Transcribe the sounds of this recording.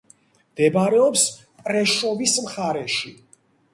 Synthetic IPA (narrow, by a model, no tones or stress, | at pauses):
md̪ɛbɾɛɔpsʼ | ɾɛʃɔvismχaɾɛʃi